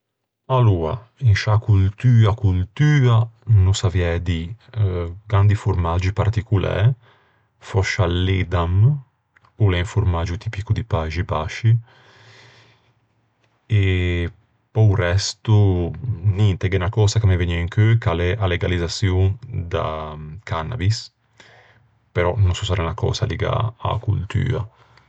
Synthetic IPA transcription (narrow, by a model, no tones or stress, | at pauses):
aluːa̰ | inʃakult̪yːakult̪yːanusavjɛd̪i | ɡand̪ifuɾmad͡ʒipaɾt̪ikulɛ̰ː | fɔʃalːed̪am | ulɛiɱfuɾmad͡ʒut̪ipikud̪ipaʒibaʃi | e | pɔurɛst̪u | nint̪ɛɡɛnakɔːsakameveniaiŋkøkalɛʔaleɡalizasjud̪a̰kʰanːa̰bis | peɾɔnunsusaɾʔanakɔ̰ːsa̰liɡa̰a̰kṵlt̪ʰy̰ːa̰